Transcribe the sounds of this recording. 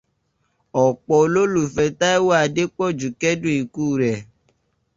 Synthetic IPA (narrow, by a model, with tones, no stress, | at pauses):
ɔ˨k͡pɔ˧lo˦lu˦˨fɛ˧ta˦ɛ˦wɔ˦a˧de˦k͡pɔ˦˨d͡ʒu˨kɛ˦dũ˦i˨kuː˦˨ɾɛ˨